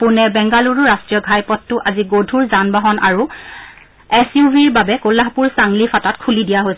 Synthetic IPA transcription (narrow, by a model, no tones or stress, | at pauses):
pʊnɛbɛŋɡaluɹʊɹastɹijɔɡʱajpɔtːʊʔaziɡodʱuɹzanbaɦɔna̰ɹu | ɛsjubʱiɹbabɛkolaɦpuɹsaŋlifʰatatkʰulidijaɦojsɛ